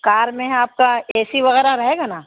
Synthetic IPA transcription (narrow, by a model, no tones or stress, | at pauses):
kaːɾmẽɦaːp̚kaɛːsiʋɐɣɛːɾaɾɐɦeːɡanaː